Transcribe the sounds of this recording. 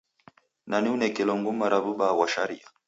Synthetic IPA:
naniunɛkɛlɔŋɡumaɾaβuɓawaʃaɾia̰

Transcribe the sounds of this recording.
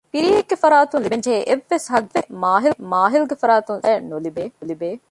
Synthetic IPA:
piɾiekːɐfɐɾaːt̪unlibend͡ʒeːʔeʋːesɦɐɡʋemaːɦɪlmaːɦilɡɐfɐɾaːt̪unɛnolibeːlibeː

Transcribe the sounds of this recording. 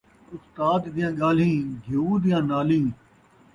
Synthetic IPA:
ʊst̪aːd̪d̪ɪjãːɠaːl̤ĩːɡʱuːd̪ɪjãːnaːlĩː

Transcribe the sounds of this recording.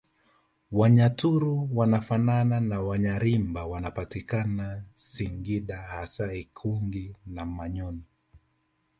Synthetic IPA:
waɲatuɾuwanafanananawaɲaɾimbawanapatikanasiŋɡiɗahasaikʰuŋɡinamaɲɔni

